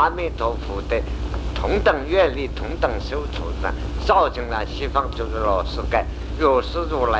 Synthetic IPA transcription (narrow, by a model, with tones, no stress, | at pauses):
a˥mi˥˩t̪ʰo˧˥ʊfʰu˨˩t̪e˥˧˩t̪ʰʊ˧˥ŋt̪ə˨˩ŋɥɛ˥˧nli˥˩t̪ʰʊ˧˥ŋt̪ə˨˩ŋɕjo˥ʊt͡sʰṵ˨˧˩na̰˧˩ | t͡sɑ˥˩ʊt͡ɕʰi˧˥ŋla˧˩ɕi˥fɑ˥˧ŋt͡ɕjo˥˧ʂ̩˥˩˧lɔ˨˩ʂɹ̩˥ka˥˩ɪ | ɻo˥˨˩ʂɹ̩˥˧t͡su˥˩la˧